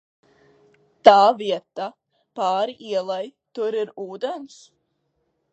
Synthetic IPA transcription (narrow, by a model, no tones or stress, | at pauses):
t̪aːviɛt̪a | pɑːɾiʔiɛlˠajt̪ʊɾiɾuːd̪ens